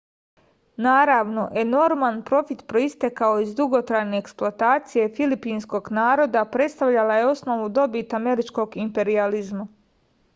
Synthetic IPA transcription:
naːɾaʋno̞ʔe̞no̞ɾmanpɾo̞fit̪pɾo̞ist̪e̞kao̞izd̪uɡot̪ɾajne̞ːksplˠoat̪aːt̪sije̞filipinsko̞ɡnaːɾo̞d̪apɾe̞t̪st̪aʋʎalaje̞o̞sno̞ʋud̪o̞bit̪ame̞ɾit͡ʃko̞ɡimpe̞ɾializma

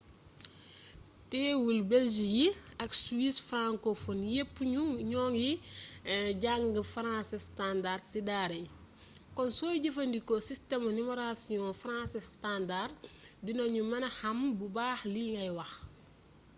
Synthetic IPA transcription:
tɛːwulbɛld͡ʒijiɐksuwisfɾãŋkofɔnjepːɲuɲɔːŋji | ɟaŋɡəfɾãːsɛstandardsidaɾɐj | kɔnsɔːjɟefɐndikɔsistɛmɐnimɔɾasiɔ̃fɾãːsɛstandarddinɔɲumɐnɐhɐmbubaːxliːŋɡɐjwɐx

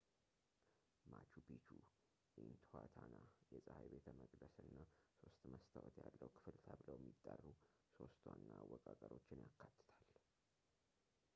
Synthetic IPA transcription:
mat͡ʃubit͡ʃʰu | jɛhnt̪ʰhat̪ʰanajɛsʼəhajbet̪ʰəməkʼd̪əsɨnːaso̞st̪məst̪ʰəwɔt̪jalːəwkʰɨ̥fɨlt̪ʰabɨləwjɛmːit̪ʼːarːu | so̞st̪ʰwanːawːɔkʼakʼəɾo̞t͡ʃːɪnjakːat̪ːɨ̥t̪ʰal

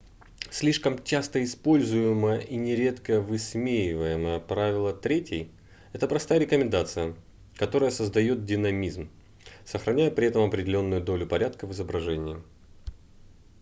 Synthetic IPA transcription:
sʲlʲiʂkəmt͡ɕast̪əɪspo̞lʲzʊjɪməjəʔinʲɪɾʲe̞t̪kəvɨsmʲejɪvəjɪməjəpɾavʲɪlˠət̪ɾʲetʲɪj | ɛt̪əpɾɐst̪ajəɾʲɪkəmʲɪnd̪at̪sɨjə | kɐt̪o̞ɾəjəsəzd̪ɐjo̞t̪̚dʲɪnɐmʲizm | səxɾʔɐnʲæjəpɾʲɪɛt̪əmɐpɾʲɪdʲɪlʲo̞nːʊjʊd̪o̞lʲʊpɐɾʲat̪kəvɨzəbɾɐʐɛnʲɪjɪ

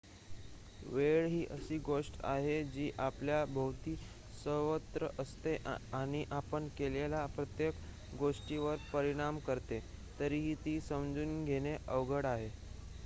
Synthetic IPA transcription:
ʋeɭɦiːʔəsiːɡoʂʈa̰ɦed͡ʑiːʔapljabʱəʋt̪iː | səʋət̪ɾəʔəst̪eʔaɽ̃iʔapəɳkelelapɾət̪jek | ɡoʂʈiʋəɾpəɾiɽ̃amkəɾt̪e | t̪əɾiːɦiːt̪iːsəmd͡zuːnɡʱeɽ̃eʔəʋɡəɽaɦe

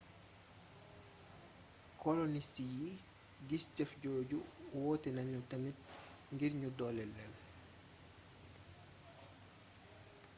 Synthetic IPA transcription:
kʰɔlɔnistiji | ɡiscɐfɟoːɟuwɔːtɛnɐɲːutɐmit̚ | ŋɡiɾɲudɔlɛlːɛl

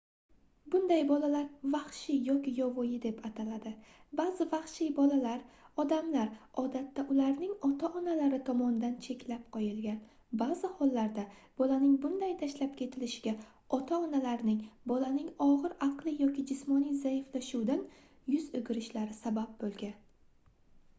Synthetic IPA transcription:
bʊnd̪ajbɒlalaɾvaχʃɪjɒkʲɪjɒvɒjɪd̪e̞pʰat̪ʰalad̪ɪbazɪvaχʃɪjbɒlalaɾɒd̪amlaɾɒd̪at̪ːaʔʊlaɾnɪŋɒt̪ʰaʔɒnalaɾɪt̪ʰɒmɒnd̪ant͡ʃʰe̞kʲʰlap̚qʰɒjɪlɡʲan | bazɪhɒlːaɾd̪ab̥ɒlanɪŋbʊnd̪ajt̪ʰaʃlap̚kʲʰe̞t̪ʰɪlɪʃɪɡʲa | ɒt̪ʰaɒnalaɾnɪŋbɒlanɪŋɒʁɨɾaqlˠɪjɒkʲɪd͡ʒɪsmɒnijzajɪflaʃud̪an | jʊzʊɡʲɪɾɪʃlaɾɪsabap̚bolˠɡʲan

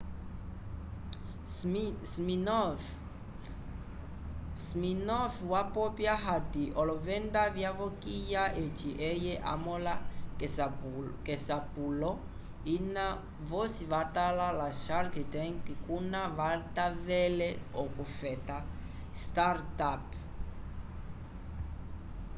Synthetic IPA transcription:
smin | sminɔfwapɔpjaɦatiʔɔlɔvɛndavjavokijaʔet͡ʃiʔɛjɛʔa̰mɔlasakɛsapulɔ | ina | vɔsiβatalalaʃaɾkitɛŋkkunavatavɛlɛɔkufɛta | staɾtap

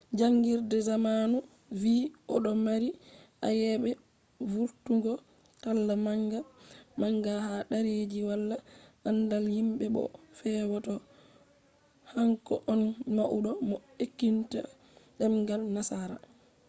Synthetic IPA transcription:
d͡ʒaŋɡiɾdɛzamaːnu | viːʔɔɗɔmaɾiʔa̰jɛɓɛ | vuɾtuŋɡɔ | talːamaŋɡamaŋɡahaɗaɾed͡ʒiwalːaʔandalhimɓɛɓɔ̰fɛːwɔtɔ | haŋkɔʔɔnmaʔuɗɔmɔekːinta | ɗɛmɡalnasaɾa̰

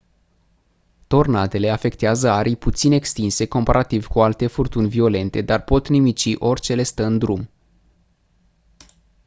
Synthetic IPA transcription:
t̪o̞rnat̪e̞le̞afe̞kt̪eazəaɾijput̪sine̞kst̪inse̞ko̞mpaɾʔat̪ivkualt̪e̞furt̪unʲvio̞le̞nt̪e̞d̪arpo̞t̪nimit͡ʃiʔo̞rʲt͡ʃe̞le̞st̪əɨnd̪ɾum

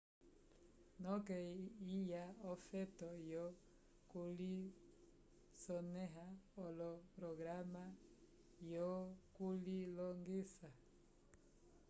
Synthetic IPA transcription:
nɔkɛijaɔfɛtɔjɔ | kuli | sɔnɛɦaɔlɔpɾɔɡɾama | jɔkulilɔŋɡisa

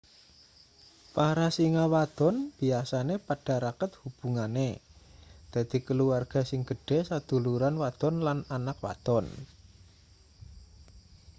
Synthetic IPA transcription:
paɾasiŋawad̪̥ɔ̤nb̥iasanepaɖ̥a̤ɾakət̪̚hub̥ṳŋane | d̪̥a̤d̪̥i̤kəluarɡ̥a̤sɪŋɡ̥ə̤ɖ̥ɛ̤sad̪̥ṳluɾanwad̪̥ɔ̤nlananak̚wa̰t̪ɔn

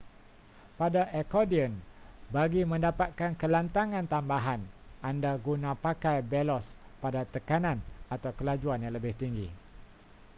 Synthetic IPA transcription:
padaʔekodiənbaɡimə̃ndapat̪̚kankəlant̪aŋãnt̪ambaɦanandaɡunãpakajbelɔspadat̪əkanãnat̪awkəlad͡ʒuanjaŋləbɪht̪iŋɡḭ

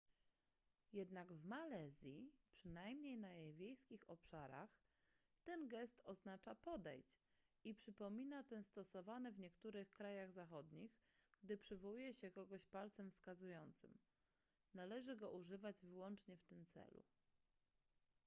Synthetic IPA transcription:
jɛd̪naɡvmalɛzʲjipʂɘnajmɲejnajejvʲjejskʲixɔpʂaɾa̰x | t̪ɛnɡɛst̪ɔznat͡ʂapɔd̪ɛ̰jt͡ɕ | ipʂɘpɔmʲinat̪ɛst̪ɔsɔvanɛvɲɛkt̪uɾɘxkɾajaɣzaxɔd̪ɲixɡd̪ɘpʂɘvɔwujɛɕɛkɔɡɔɕpalt̪sɛmfskazujɔnt̪sɘm | nalɛʐɘɡɔʔuʐɘvad͡ʑvɘwɔnt͡ʂɲɛft̪ɘmt̪sɛ̰lṵ

